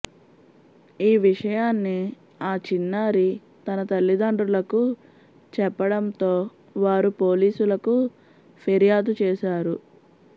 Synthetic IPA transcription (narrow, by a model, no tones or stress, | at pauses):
iːʋiʂɐjaːnːi | aːt͡ʃinːaːɾi | t̪ɐnɐt̪ɐlːid̪ɐɳɖɾulɐku | t͡ʃɛpːɐɽɐnt̪o̞ː | ʋaːɾupo̞ːliːsulɐku | pʰeɾijaːd̪ut͡ʃeːʃaːɾu